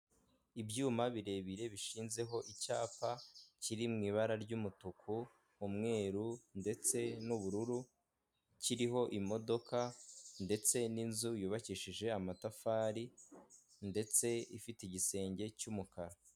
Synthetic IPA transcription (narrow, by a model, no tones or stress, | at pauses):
ibjuːmaβiɾe̞ːβiɾe̞βiʃiːnze̞ɦo̞ʔicaːpaciɾimŋiːβaɾaɾɟumutukʰu | umŋe̞ːɾunde̞t͡se̞nuβuɾuɾu | ciɾiɦo̞ʔimo̞do̞kʰande̞t͡se̞ninzujuːβaciʃiʒe̞amatafaːɾi | nde̞t͡se̞ifiteiɟise̞ːɲɟe̞cumukaɾa